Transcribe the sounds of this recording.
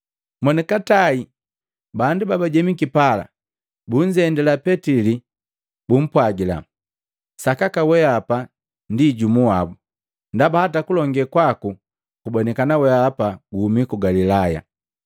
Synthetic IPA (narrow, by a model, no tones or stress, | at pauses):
mɔnɛkatai | bandubabaɟɛmikipala̰ | buɲd͡ʒɛndɛlapɛtili | bum̩pwaɡila̰ | sakakawɛapa | ndiɟumuabu | ndabahatakulɔŋɡɛkwaku | kubɔnɛkanawɛapaɡuhumikuɡalilaja̰